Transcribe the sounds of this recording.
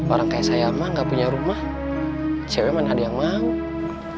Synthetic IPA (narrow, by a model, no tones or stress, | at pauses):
baɾaŋkajaʔsajamaŋɡapuɲaɾumah | t͡ʃɛwɛmanaadajaŋma